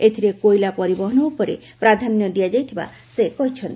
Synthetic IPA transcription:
et̪ʰiɾekojlapɔɾibɔɦɔnɔupɔɾḛ | pɾad̪ʱanjɔd̪ijad͡ʒajt̪ʰiba̰ | sekɔɦit͡ʃʰɔnt̪i

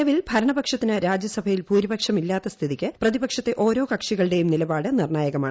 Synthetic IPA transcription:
ɐʋilbʱɐɾɐɳɐbɐkʂɐt̪ːinɨɾaːd͡ʑjɐsɐbʱɐjilpuːɾibɐkʂɐmilːaːt̪ːɐst̪ʰiðikʲːɨprɐðibɐkʂɐt̪ːe̞ʔo̞ːɾo̞ːkɐkʂiɣɐɭɨɽe̞jumnilɐbaːɽɨnirɳaːjɐɣɐmaːɳ

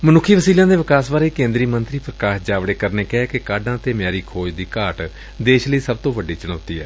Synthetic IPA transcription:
mənʊkʰːiːʋəsiːlãːd̪eːʋɪkaːsbaːɾeːkẽːnd̪ɾiːmənt̪ɾiːpɾəkaːʃd͡ʒaːʋɽeːkəɾneːkɛːkɪkaːɖãːt̪eːmjaːɾiːkʰoːd͡ʒd̪iːkaːʈ | d̪eːʃləiːsəb̚t̪õːʋəɖiːt͡ʃəɽ̃oːt̪iːɛ̰ː

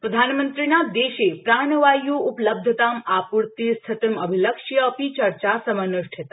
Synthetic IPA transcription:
pɾəd̪ʱanmənt̪ɾinad̪eɕepɾaɳʋajuːupləb̚d̪ʱət̪amapuɾt̪iːst̪ʰɐt̪iməbʱiləkʂjəːpit͡ɕəɾt͡ɕasəmənəʂʈʰet̪a

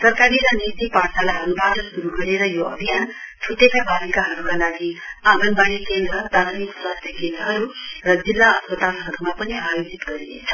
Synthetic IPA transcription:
sʌrkaɾiɾʌnit̪iparsalaɦʌɾubaʈʌsuɾuɡʌɽeɾʌjoʌ̰bʱijanʈʰut̪ekabʱabikaɦʌɾukalaɡiaɡʌnbaɽikend̪ɾʌt̪aɾnikswast̪ʰjʌkend̪rʌɦʌɾurʌd͡zilːaʌspʌt̪alɦʌɾumapʌniajod͡zit̪ɡʌɾinḛt͡sʰʌ̥

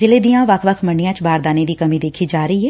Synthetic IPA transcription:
zɪled̪ijãːʋɐkʰʋəkʰməɳɖɪjãːt͡ʃbaːɾd̪aːned̪iːkɐmid̪eːkʰid͡ʒaːɾəiɦɛː

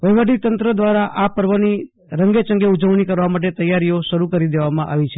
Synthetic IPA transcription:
ʋəjʋəʈit̪ənt̪ɾəd̪ʋaɾaʔapəɾʋəni | ɾəŋɡet͡ʃəŋɡeud͡ʒəʋɽ̃ikəɾʋamaʈ̬et̪əjaɾijoʃəɾukəɾid̪eʋamãʔa̰ʋit͡ʃʰe

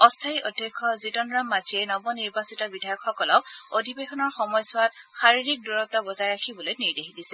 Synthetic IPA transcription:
ɔstʰaiʔɔdʱjɔkʰːɔzitɔnɹamːad͡ʒiɛnɔbɔniɹbasitɔbidʱajɔkxɔkɔlɔkodʱibexɔnɔɹxɔmɔjsʊwat̚xaɹiɹik̚duɹɔtɔbɔzaɹɹakʰibɔlojniɹdeɦidisɛ

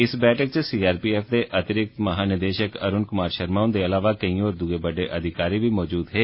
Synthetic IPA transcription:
ɪsbɛːʈʰəkt͡ʃəsiːaːɾpiːɛːfʰd̪eːʔət̪ɪɾɪkt̪məɦaːnɪd̪eːʃəkə̰ɾʊnkʊmaːɾʃəɾmaːʊnd̪eːəlaːʋaːkəiɔːɾd̪uɡeːbəɖeːʔəd̪ʱɪkaːɾiːʋiːmɔːd͡ʒuːd̪ɦɛː

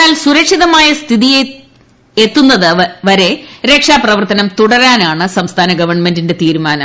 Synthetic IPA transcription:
aːlsuɾɐkʂiðɐmaːjɐst̪ʰiðije | et̪ːunːɐðɨʋɐɾe̞ɾe̞ːkʂaːprɐʋɐrt̪ɐnɐmt̪uɽɐɾaːnaːɳɨsɐmst̪ʰaːnɐɡɐʋɐrɳme̞ndinde̞t̪iːɾumaːnɐm

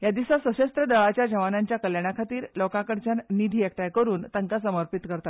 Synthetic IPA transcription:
jad̪isasʋəɕəst̪ɾəɖəɭat͡ɕjad͡ʑəʋanaɲt͡ɕjakəljaɽakʰat̪iːɾlɔkãkəɽt͡ɕannid̪ʱiːek̚ʈ̪ajkəɾuːnt̪əŋkasəməɾpit̪kəɾt̪at̪

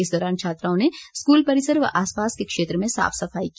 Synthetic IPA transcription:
ɪsd̪ɔːɾaːnt͡ʃʰaːt̪ɾãːõneskuːlpɐɾɪsəɾʋɐ̰ʔaːspaːskekʃeːt̪ɾəmẽsa̰ːfʰsɐfaːik

